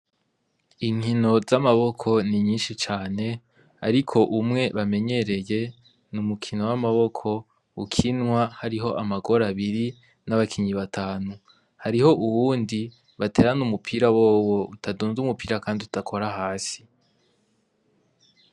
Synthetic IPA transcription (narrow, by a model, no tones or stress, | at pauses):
iŋ̥hino̞zamaβo̞kʰo̞niɲiːnʃit͡ʃaːne̞ | a̰ɾikʰo̞ʔumŋe̞βame̞ɲe̞ɾe̞je̞ | numukʰino̞wamaβokʰo̞ | ukʰinŋwahaɾiɦo̞ʔamaɡo̞ɾaβiɾi | naβakʰiɲiβatʰaːnu | haɾiho̞ʔuwuːndi | βate̞ːɾanumupʰiːɾawoːwoutʰaduːnzumupiːɾakaːndiutakʰo̞ɾaɦaːsi̥